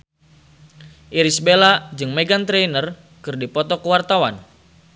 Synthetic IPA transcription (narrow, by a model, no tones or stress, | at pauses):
ʔiɾisbelad͡ʒɨŋmeɡant̪ɾenər | kɨrdipɔt̪ɔkəwart̪awa̰n